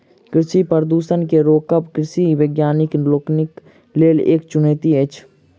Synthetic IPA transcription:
kɾɪʃipəɾd̪uːsənkeɾoːkəpkɾɪsiʋeːɡjaːnɪkloːknɪk | leːlḛːkt͡ʃʊneːt̪ieːt͡ʃʰ

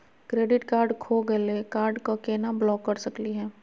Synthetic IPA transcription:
kɾeːɖɪʈkaːɾɖkʰoɡɐlekaːɾɖkakeːnablɔːkːɐɾsɐkliɦɛː

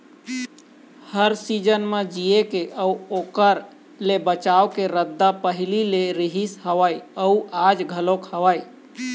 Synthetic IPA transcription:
həɾsid͡ʒənmed͡ʒiekeʔəuoːkəɾ | lebət͡ʃaokeɾəd̪ːapəɦɪlileɾiɦisɦəʋajəuad͡ʒɡʱəlokhəʋaj

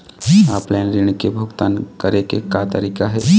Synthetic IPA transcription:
aːplɛːnɾɪñkebʱʊɡt̪aːnkəɾekekat̪əɾiːkaɦɛː

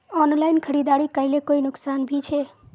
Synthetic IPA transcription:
ɔnlajnkʰəɾid̪aɽikəɪlekoinʊksanbʱit͡ʃʰɛ

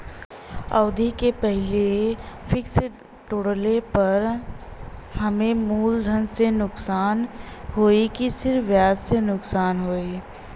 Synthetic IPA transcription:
ɐ̰ʊd̪ʱikepɛɦɪlefʰɪks | ʈoːɽlepɐɾ | hɐmẽmuːld̪ʱənsenʊksaːn | ɦoːikisɪɾʋjaːzsenʊksaːnɦoːi

